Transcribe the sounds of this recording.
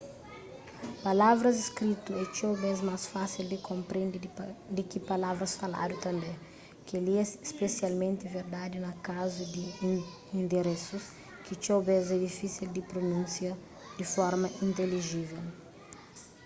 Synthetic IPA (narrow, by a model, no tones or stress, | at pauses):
palavɾɐziskɾit̪uɛt͡ʃowbɛzmasfasild̪ɪkʰõmpɾẽnd̪id̪ɪkipalavɾɐsfala̰d̪ut̪ɐ̃mbẽ | keliɛsespesjalmẽnt̪ɪveɾd̪ad̪inɐkazud̪i | ĩnd̪eɾesus | kit͡ʃobɛzɛd̪ifisild̪ɪpɾonũnsjɐ | d̪ifɔɾmɐʔĩnt̪eliʒivɛl